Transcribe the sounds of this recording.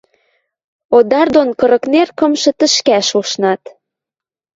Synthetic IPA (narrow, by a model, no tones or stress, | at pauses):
od̪ɑrd̪onkɤ̆ɾɤ̆knerkɤ̆mʃɤ̆t̪ə̆ʃkæʃuʃnɑt̪